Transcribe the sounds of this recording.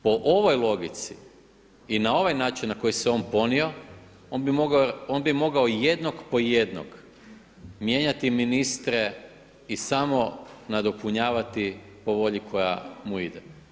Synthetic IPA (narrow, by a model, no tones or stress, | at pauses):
po̞ʔoʋo̞jlˠo̞ɡit̪sḭ | inao̞ʋajnaːt͡ʃinnako̞jiseo̞ːnpo̞nio̞ | onbimoɡonbimo̞ɡaojed̪nokpo̞je̞d̪no̰k | mje̞ːɲat̪iminist̪ɾe̞ | isamo̞nad̪o̞puɲaːʋat̪i | po̞ʋo̞ʎikʰo̞ja̰muid̪ḛ